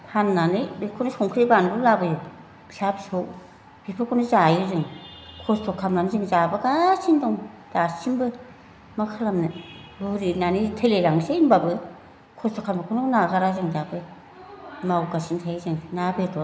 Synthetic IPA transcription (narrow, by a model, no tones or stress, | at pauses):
pʰanːanɯbikʰɔnɯsɔŋkʰɾibanbɯlabɯjɯ | sabisɔ | b̥ipʰɯkʰɔnɯzajɯzɯŋkʰɔstʰɔkʰamnanɯzɯŋzabɯɡasindɔŋ | d̥asinbɯ | makʰalamnɯbuɾinanitʰɯlelaŋsejnbabɯ | kʰɔstʰɔkʰambɯkʰɔnɯnaɡaɾazɯŋdabɯ | mawɡasintʰajzɯŋnabetʰɔ